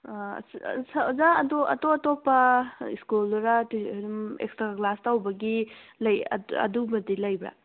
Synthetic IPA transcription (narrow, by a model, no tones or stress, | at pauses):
sɐzaɐdoʔɐ̰toɐtopːɐiskulɾatiumḛkstɾaklastawbɐɡilɐj̰ɐ̰dumɐdilɐjbɾa̰